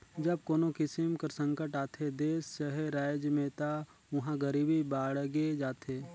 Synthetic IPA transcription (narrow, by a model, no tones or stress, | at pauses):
d͡ʒɐb̚koːnokɪsɪmkəɾsə̃ŋkəʈaːt̪ʰed̪eːsːəɦeɾaːjd͡ʒmẽːt̪a | ʋɐɦãɡəɾiːbibaːɽɡed͡ʒaːt̪ʰeː